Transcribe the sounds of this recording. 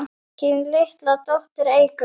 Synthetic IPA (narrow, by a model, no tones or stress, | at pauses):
cɪnlɪht̪lat̪owht̪ɪɾeːjkʏ